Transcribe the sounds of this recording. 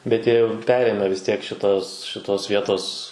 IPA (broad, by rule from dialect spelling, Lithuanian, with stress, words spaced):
bʲɛt ˈjiɛ jɛʊ ˈpʲæːrʲeːmʲæː ʋʲɪs tʲiɛk ʃʲɪˈtoːs ʃʲɪˈtoːs ˈʋʲiɛtoːs